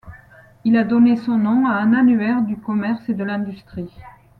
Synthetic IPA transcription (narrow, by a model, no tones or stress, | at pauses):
ilad̪ɔnesɔ̃nɔ̃aɛ̃nanyɛʁd̪ykɔmɛʁsed̪əlɛ̃d̪yst̪χi